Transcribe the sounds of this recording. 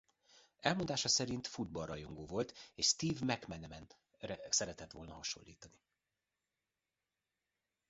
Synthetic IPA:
ɛlmond̪aːʃɒsɛɾint̪fud̪̚bɒlrːɒjo̞ŋɡoːvo̞lt̪eːʃst̪iːvmɛkmɛnɛmɛn | sɛɾɛt̪ɛt̪ʋo̞̰lnɒɦɒʃo̞̰lːiːt̪ɒni

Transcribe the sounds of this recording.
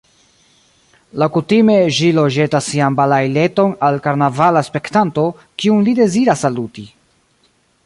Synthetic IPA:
lawkutime̞ʒilo̞d͡ʒe̞tasːianbalajle̞to̞nalkaɾnavalaspe̞ktanto̞ | kiunlide̞ziɾasːaluti

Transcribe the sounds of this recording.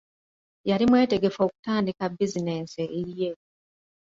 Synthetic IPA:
jaɾimwe̞ːte̞ɡe̞fo̞ːku̥taːndikabːizine̞ːnseiɾje

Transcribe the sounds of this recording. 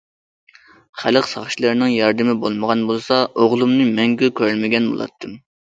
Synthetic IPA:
χæləqsɑχʃlˠɨɾnɨŋjɑɾd̪ɨmɪbolˠməʁɑnbolˠsɑoʁlˠumnɨmɛŋɡʲykʲʰøɾlmɪɡʲɛnbo̰lˠɑ̰t̪ʰːɨm

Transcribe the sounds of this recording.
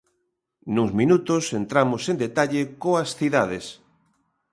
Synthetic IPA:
nuzmĩnut̪osent̪ɾamosend̪et̪aʎekoɐsθiðaðes

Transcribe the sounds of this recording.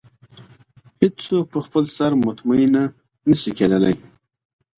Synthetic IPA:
hɪdt͡sok̚pəxpəlsaɾmʊt̪maina | nəsiked̪əla̰j

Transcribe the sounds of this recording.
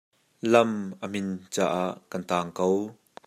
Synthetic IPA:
lɐmʔəm̥ɪnt͡sa̰ːʔaːʔkɐnt̪aːŋkow

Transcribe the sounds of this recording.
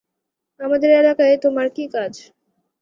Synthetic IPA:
amad̪eɾelakaet̪omaɾkikad͡ʑ

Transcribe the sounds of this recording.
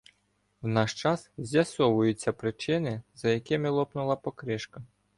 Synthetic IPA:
wnɑʃt͡ʃɑszʲjɐsɔʋʊjʊt͡sʲːɐpɾɪt͡ʃɪnɪzɐjɐkɪmɪlˠɔpnʊlˠɐpɔkɾɪʃkɐ

